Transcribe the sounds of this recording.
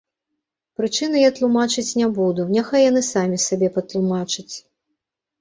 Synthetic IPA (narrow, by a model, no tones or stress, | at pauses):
pɾɨt͡ʂɨnɐjat̪lˠumat͡ʂɨt͡sʲnʲɛbud̪unʲɛxajanɨsamʲisabʲɛpɐt̪lˠumat͡ʂɨt͡sʲ